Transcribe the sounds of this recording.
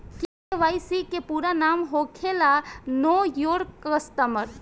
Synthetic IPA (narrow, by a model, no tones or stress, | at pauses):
ke | eʋaːjsikepuːɾanaːmɦoːkʰelanoːjoːɾkəst̪əməɾ